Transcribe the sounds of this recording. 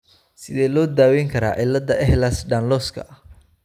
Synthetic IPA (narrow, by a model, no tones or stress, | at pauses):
sɪðɛːlɔːd̪aːwɛjŋkʰɐɾa̰ːʕɪlːɐd̪ɐɛhlasɖaːnlɔːskʰɐ̰ʔɐ